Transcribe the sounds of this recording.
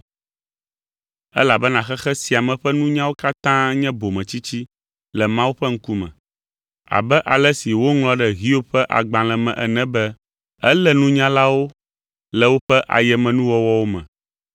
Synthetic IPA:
ɛ̰˦la˨bɛ˦nã˨xɛ˦xɛ˦si˨a˨mɛ̃˨ɸɛ˦nũ˦ɲã˦wo˦ka˦t̪ã˦ɲɛ̃˦bo˨mɛ̃˨t͡ɕi˦t͡ɕi˦ | lɛ˨mã˦wu˦ɸɛ˦ŋ̩˦ku˦mɛ̰̃˨ | a̰˨bɛ˦ʔa˨lɛ˦si˨wo˦ŋlɔ̃˦ɖɛ˦ɣi˦o˦ɸɛ˦ʔa̰˨ɡ͡bã˨lɛ˨mɛ̰̃˨ʔɛ̰˨nɛ̃˦bɛ˦ | ɛ˦lɛ˦nũ˦ɲã˦la˦wo˦ | lɛ˨wo˦ɸɛ˦ʔa̰˨jɛ˨mɛ̃˨nũ˦wɔ˦wɔ˦wo˦mɛ̰̃˨

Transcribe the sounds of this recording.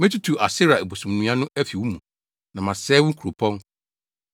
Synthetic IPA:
mẽ˦tʰi˦tʰu˨ʔa˨sɪ˦ɾa˨e˨bo˨sũ˨m˨nũ˨˦ã˦nʊ̃˦ʔæ˦fi˨wu˦mũ˨ | nã˨mã˨sɛː˦wʊ̃˦ŋ̩˦kʰu˨ɾo˨pʰɔ̃˦n

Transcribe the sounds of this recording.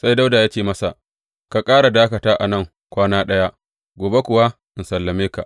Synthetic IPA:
sa˦jda˦wda˨jaː˦t͡ʃeː˦˨mɐ˦sa˨ʔ | ka˨kʼaː˦ɽa˨daː˦kɐ˨taː˦ʔa̰˨nɐ˦˨ŋ | kʷaː˦naː˦ɗɐ˦ja˦ʔ | ɡʷoː˨be˦kʷʊ˨wa˦ | ʔɪ˨nsɐ˨lːɐ˨meː˦ka˨ʔ

